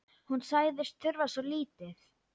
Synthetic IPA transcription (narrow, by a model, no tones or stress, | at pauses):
hunsaːjðɪst̪ʰʏɾvasɔliːt̪ɪθ